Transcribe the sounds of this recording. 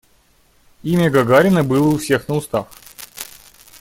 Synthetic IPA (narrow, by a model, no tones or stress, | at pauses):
imʲəɡɐɡaɾʲɪnəbɨlˠəʊfsʲexnəʊst̪af